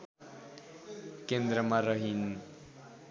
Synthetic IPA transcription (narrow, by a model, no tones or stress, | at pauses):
kend̪ɾʌmaɾʌɦin